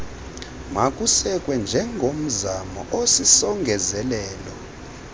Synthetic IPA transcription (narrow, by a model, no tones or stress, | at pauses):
makʼusɛkʼwɛnd͡ʒʱɛŋɡʱom̩zamɔ̰ʔosisɔŋɡʱɛzɛlɛːlɔ